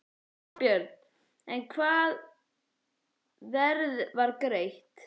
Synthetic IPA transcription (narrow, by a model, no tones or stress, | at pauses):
pjœɾt̪n | ɛnkʰvaːð | vɛɾðvaɾkɾejht̪